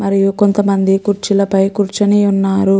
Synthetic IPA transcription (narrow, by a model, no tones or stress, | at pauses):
mɐɾijuko̞nt̪ɐmɐnd̪ikuɾt͡ʃilɐpɐjkuɾt͡ʃɐniːunːaːɾu